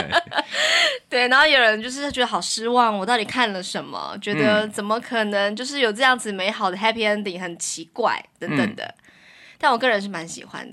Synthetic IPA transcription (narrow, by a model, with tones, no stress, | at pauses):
t̪we˥˩ɪna˧˥xo˥˩jo˨˩ʊɻə˧˦nt͡ɕjo˥˧ʊʂɻ̩˥˧˥t͡ɕɥɛ˧˥d̪ə˩xɑ˨˩ʊʂɻ̩˥wɑ˥˩ŋwɔ˨˩t̪ɑ˥˩ʊt̪i˨˩kʰa˥˩nlə˩ʂə˧˦nmə̰˧˩t͡ɕɥɛ˧˥d̪ə˧t͡sə˨˩nmə˦kʰɤ˨˩nə˧˥ŋt͡ɕjo˥˧ʊʂɻ̩˥˩jo˨˩ʊʈ͡ʂɤ˥˧jɑ˥˩ŋd͡zɹ̩˩me˧˥ɪxɑ˨˩ʊd̪ə˦ɦɛ˥pʰi˨˩ɛ˥nt̪i˨˩ŋ˥xə˨˩nt͡ɕʰi˧˥kwa̰˥˩ɪt̪ə˧˥ŋt̪ə̰˨˩ŋd̪ə̰˩ | t̪nwɔ˨˩kɤ˥˩ɻə˧˥nʂ̬ɻ̩˥˩ma˧˥nɕḭ˨˩xwa̰˧˥nd̪ə˩